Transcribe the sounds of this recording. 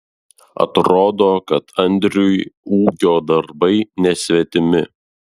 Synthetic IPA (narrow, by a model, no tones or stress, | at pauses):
ɐ̰t̪ɾoːd̪oːkɐt̪ɐnʲd̪ʲɾʲujuːkʲoːd̪ɐɾbɐɪnʲɛsʲʋʲɛt̪ʲɪmʲɪ